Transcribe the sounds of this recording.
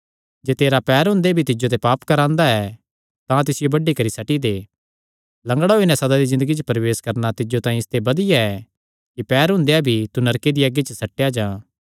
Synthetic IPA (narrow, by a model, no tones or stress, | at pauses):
d͡ʒeːt̪eːɾapɛːɾɦʊ̃ːnd̪ebʱit̪ɪd͡ʒot̪̬ɛpaːpkɐɾãːnd̪aɛ | t̪ãt̪ɪsɪjobɐɖikɐɾisɐʈid̪eː | lɐ̃ŋɡɽaɦoːinɛsɐd̪ad̪izɪ̃nd̪əɡit͡ʃəpɐɾɐʋeːskɐɾnat̪ɪd͡ʒot̪ãːĩɪst̪ebɐd̪ɪjaɛ | kipɛːɾɦʊ̃nd̪eabʱit̪unɐɾked̪iaɡit͡ʃəsɐʈːejad͡ʒãː